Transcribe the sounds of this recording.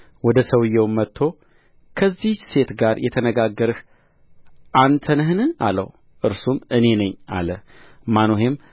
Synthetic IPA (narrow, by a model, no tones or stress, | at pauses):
wɔd̪əsəwɨjɛwmːət̪ʰːo̞ | kʰəzːise̞t̪ɡaɾjʔɛt̪ʰənəɡaɡːəɾɨh | ʔant̪ʰənɦnɨa̰lə̰w | ʔɨɾsumɨne̞nəɲːa̰lə | manoɦe̞m